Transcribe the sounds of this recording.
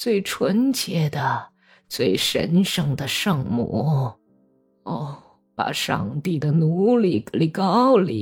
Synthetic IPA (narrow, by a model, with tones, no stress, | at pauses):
t͡swe˥˩ɪʈ͡ʂʰwə˧˥nt͡ɕjɛ˧˥d̪ə˧ | t͡swe˥˩ɪʂə̰˧˥nʂɤ˥ŋd̪ə˨ʂɤ˥˧ŋmṵ˥˩ | ɔ˥˩ | pa̰˨˩ʂɑ̰˥˧ŋt̪i˥˩d̪ə˩nu˧˥li˥˩li˨˩kɑ˥ʊlḭ˨˩˦